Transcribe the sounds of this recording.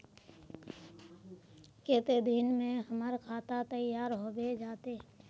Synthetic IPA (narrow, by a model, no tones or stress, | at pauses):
keːt̪ed̪iːnmẽɦəməɾkʰaːt̪at̪əjːaːɾɦobed͡ʒaːt̪eː